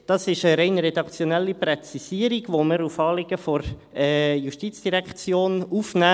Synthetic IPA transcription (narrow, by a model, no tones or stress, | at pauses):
d̥ɑsɪʃəɾɛɪnɾɛdɑkt͡sjɔnɛlːiprɛt͡sisiəɾiɡʋoməɾufɑːlɪɡ̥əfɔɾ | ɛːjuʃtit͡sd̥iɾɛkχt͡sjoːnufnæː